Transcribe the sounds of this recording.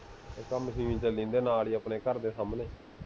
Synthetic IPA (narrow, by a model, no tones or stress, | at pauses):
ekəməsĩːʋĩt͡ʃəlĩːnd̪eːnaːliːəpneːkəɾd̪eːsaːmneː